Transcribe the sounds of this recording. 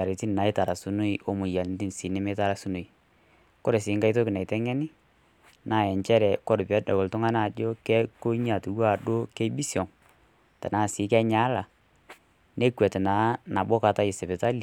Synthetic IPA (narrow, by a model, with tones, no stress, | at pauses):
a˨ɾe˨ti˦n˨na˨ɪ˦ta˨ɾa˨su˨˦no˦i˦ʔo˨˦mʊ˨ja˨ln˦ti˦nsi˨nɪ˦me˦ta˦ɾa˨su˦no˨i˨ | ko˦ɾe˨sɪ˨˦ŋka˦i˦to˦kɪ˨na˨tɛ˦ŋɛ˦nɪ˦ | na˨jɛ˨ɲt͡ʃɛ˦ɾɛ˨kɔ˦ɾpɛ˦dɔ˨ɡɔ˨ltʊ˦ŋa˦na˨d͡ʒo˦kɛ˦ko˦ɲ˦a˨tu˨ɡwa˦˨ɗo˦ke˦bi˦sjɔ˨ŋ | ta˨na˨sɪ˨˦kɛ˦ɲa˨˦la˨ | ne˦kwɛ˨te˨na˨˦na˨bo˦ka˨ta˦ɪ˨sɛ˨be˨ta˦li˨